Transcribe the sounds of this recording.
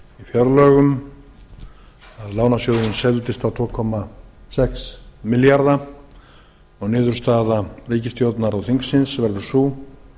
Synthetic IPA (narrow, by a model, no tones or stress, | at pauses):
ifjœɾlœːɣʏm | aðlaːwnasjowðʏnsɛlt̪ɪst̪awt̪ʰvɔːkʰɔmasɛksmɪljaɾða | ɔɣnɪːðʏɾ̥st̪aːðariːcɪst̪jowt̪naɾawθiŋksɪnsvɛɾðʏ̥suː